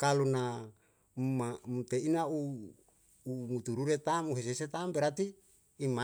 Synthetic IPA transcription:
kaluna | mamut̪einauː | mut̪uɾuɾet̪amuɦes̬eset̪ambeɾat̪iː | ma

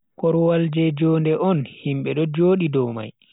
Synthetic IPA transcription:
kɔɾwald͡ʒɛd͡ʒɔːndɛʔɔnhimɓɛɗɔd͡ʒoːɗidɔwma̰j

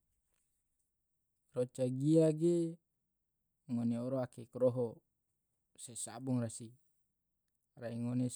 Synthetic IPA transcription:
rot͡ʃaɡiaɡe | ŋoneoɾoakekɾoɦo | sesa̰buŋrasi | raiŋone

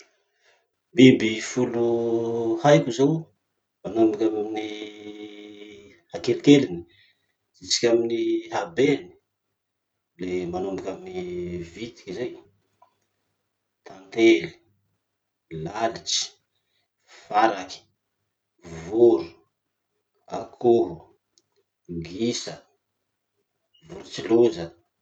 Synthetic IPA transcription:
bibifulu | hajkuzaw | manombikʲammini | hakelik̪elini̥ | it͡si̥kʲaminiɦabeni̥ | lemanombakʲaminivit̪i̥kizaj | t̪ʰant̪eli̥ | lalit͡ʃi̥ | faɾaki̥ | vuɾu̥ | akʰuɾu | ɡisə | vuɾut͡siluzə

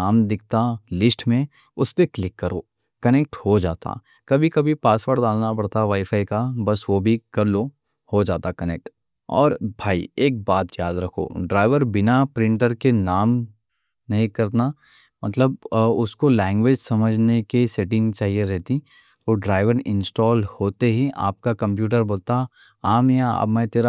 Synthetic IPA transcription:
aːmd̪ɪk̚ʰt̪alɪsʈmẽ | ʊspeklɪkːɐɾo̰ː | kɐnɛːk̚ʈhod͡ʒa̰ːt̪a̰ | kɐbʱikɐbʱipaːswəɾʈd̪aːlnapɐɽt̪aʋaːifaːikabɐsʋobʱikɐɾlo | hod͡ʒaːt̪akɐnek̚ʈ | ɔ̰ːɾbʱaːḭeːk̚baːt̪jaːd̪ɾɐkʰo̰ːɖɾaːɪʋəɾbɪnapɾɪ̃ɳʈəɾkenaːm | nɐɦĩkɐɾna | mɐt̪ləb̚ʊskolɛ̃ːŋɡʋeːd͡ʒsɐməd͡ʒʱnekeseːʈɪ̃ŋɡt͡ʃaːɦieɾɛɦt̪i | oɖɾaːɪʋəɾɪ̰̃nsʈɔːlhoːt̪eɦia̰ːp̚kakɐ̃mp̬juːʈ̬əɾboːlt̪a | aːmjaə̰bmɛ̃t̪eːɾa

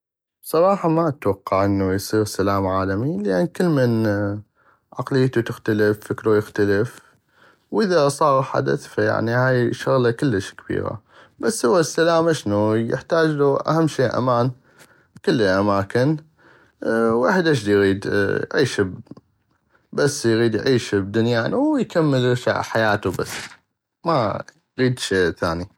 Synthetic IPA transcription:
sˤɑɾˤɑːħɑmat̪wɑqːɑʕʔənːujsˤiːɾsalaːmʕaːlamilɪʔanːkɪlːmɪn | ʕaqlɪjːt̪ut̪ɪxt̪aləfːɪkɾujɪxt̪aləf | wʔɪðasˤɑːɣħa̰d̪a̰θfaja̰ʕnihaːjʃʊɣlakɪlːəʃkabḭːɾa̰ | basːhʊwːasːalaːmʔɪʃnujɪ̰ħt̪aːd͡ʒluʔa̰hamːʃeːʔa̰maːn | kʊlːʔamaːkɪn | waːħd̪ʔɪʃd̪ijɣiːd̪jʕiːʃb | basːjɣiːd̪jʕiːʃb̚d̪ʊnjaːnwjkamːəlʃa̰ʕħajaːt̪uba̰sː | ma̰ | ɣiːd̪ʃeːʔθa̰ːni

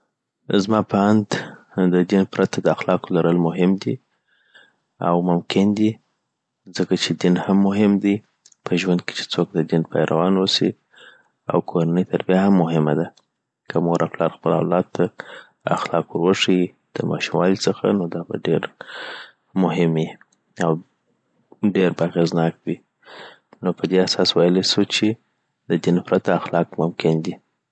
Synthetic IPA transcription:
zmɑpaand̪ | d̪əd̪inpɾat̪ad̪əaxlɑkolaɾəlmʊɦɪmd̪i | a̰wmʊmkɪnd̪i | zəkat͡ʃed̪inhamːʊɦɪmd̪i | pʰəʒwand̪̚ke̥t͡ʃe̥t͡sok̚d̪əd̪inpʰajɾʔawɑnwosḭ | a̰wkʰoɾanəjt̪ʰaɾbjahamːʊɦɪmad̪a | kəmuɣɾʔaflɑɾxpəla̰wlɑd̪a | a̰xlɑkwəɾwəʂi | d̪̥əmɑ̰ʃumwɑlit͡səxa̰nod̪ɑba̰ɖeɾ | mʊɦɪmji | aw | ɖeɾbaaɣeznɑk̚wi | nopəd̪easɑswɑjlesut͡ʃe | d̪əd̪infɾat̪aaxlɑkmʊmkɪnd̪i

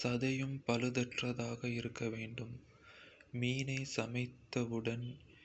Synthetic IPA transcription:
sɐðɐjɯmpɐlɯðɐʈrɐðaːɣɐɪɾɯkːɐʋeːɳɖɯm | miːnɐɪsɐmɐɪt̪ːɐʋɯɽɐn

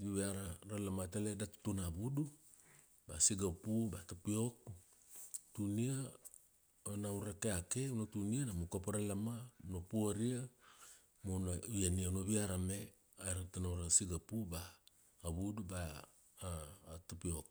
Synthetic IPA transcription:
juβeaɾaɾalamataledatu̥tunaβudu | basiɡapubatupiok | tunia | onauɾakeakeunotunianamukapaɾalamaunopuaɾia | monajanianoβiaɾame | aɾatanauɾasiɡapubaː | βuduba | tupiok̚

